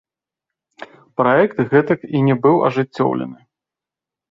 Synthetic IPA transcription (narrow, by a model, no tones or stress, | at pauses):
pɾaɛkt̪ɣɛt̪ɐkinʲɛbɨwɐ̰ʐɨt͡sʲːɔ̰wlʲɛ̰nɨ